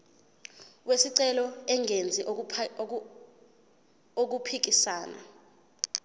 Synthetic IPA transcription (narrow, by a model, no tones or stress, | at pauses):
wʔesiǀɛlɔɛŋʱend͡zʱi | ok̬upʰik̬isaːna̰